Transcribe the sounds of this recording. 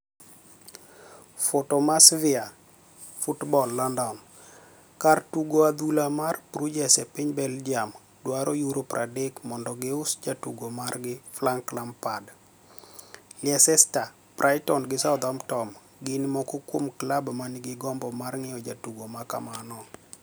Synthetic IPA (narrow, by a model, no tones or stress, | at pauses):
fotɔmasvɪa | futbɔlːandɔn | kartuɡoad̪ulamarpɾud͡ʒɛsɛpɪɲbɛld͡ʒiam | dwaɾɔjuɾopɾʔadɛkmɔndɔɡɪʊsd͡ʒatuɡomarɡɪflaŋklampad | lɪɛsɛsta | prʔajtɔnɡɪsaʊd̪amtɔm | ɡɪnɪmɔkɔkwomklabmanɪɡɪɡɔmbɔmarŋɪɔd͡ʒatuɡomaka̰manɔ